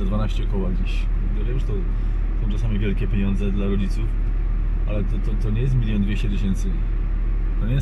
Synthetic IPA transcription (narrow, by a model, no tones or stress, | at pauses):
ad̪vanaɕt͡ɕɛɔkɔwaɡd͡ʑiɕ | d̪ɔlʲɛpɾɔst̪ɔ | sɔ̃w̃ʈ͡ʂasamʲivʲjɛlkʲɛpʲjeɲɔ̃nd̪zɛd̪laɾɔd͡ʑit̪suf | a̰lɛt̪ɔt̪ɔt̪ɔɲɛjɛs̬t̪mʲilʲjɔ̃nd̪vʲjeɕt͡ɕɛt̪ɨɕɛnt̪sɨ | t̪ɔɲɛj